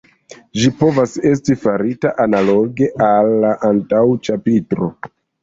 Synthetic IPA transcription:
ʒipo̞vase̞s̬tifaɾitaʔanalo̞ɡe̞ʔalːaʔantawt͡ʃapitɾo̞̰

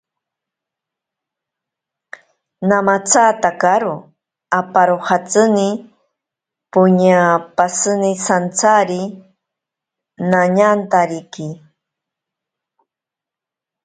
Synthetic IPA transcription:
namat͡sat̪akaɾo | apaɾohat͡sɨni | pʊɲapasɨnisant͡saɾi | naɲant̪aɾiki

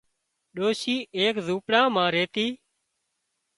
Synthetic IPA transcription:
ɗoːʃiːʔeːkzuːpɽãːmãːɾeːt̪iː

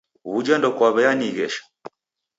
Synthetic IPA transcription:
βud͡ʒandɔkwaβɛjaniɣɛʃḁ

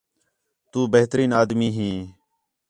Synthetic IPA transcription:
t̪uːbəɦt̪ɾiːnaːd̪miːɦĩː

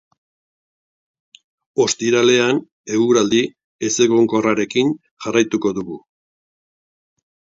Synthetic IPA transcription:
o̞st̪iɾale̞an | e̞uɾald̪i | e̞se̞ɣoŋko̞raɾe̞kin | ʝarajt̪uko̞ðuɣu

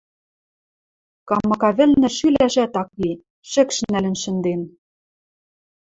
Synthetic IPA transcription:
kɑmɤ̆kɑβɘ̆lnɘ̆ʃylæʃæt̪ɑkβi | ʃɘ̆kʃnælɘ̆nʃɘ̆nd̪en

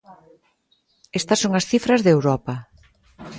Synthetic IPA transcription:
ɛst̪ɐsoŋɐsθifɾɐzðewɾɔpɐ

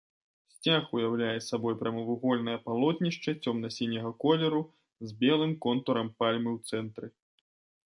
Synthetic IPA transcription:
sʲt͡sʲaxujawlʲajɛsabɔjpɾʲɐmɐvɨɣɔlʲnɐjɐpalˠɔt̪ʲnʲiʂt͡ʂɐt͡sʲɔmnɐsʲinʲːɐɣɐkɔlʲɛɾu | zʲbʲɛlˠɨmkɔnt̪ɔɾɐmpalʲmɨwt̪sɛnt̪ɾɨ

